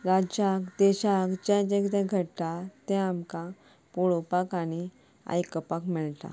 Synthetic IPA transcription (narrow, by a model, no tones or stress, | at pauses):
ɾad͡ʑakd̪ɛɕakd͡ʑɛ̃d͡ʑɛ̃kt̪ɛ̃ɡʱəɽt̪at̪ɛ̃amkã | puɭopakañi | a̰jkəpakmɛɭt̪a̰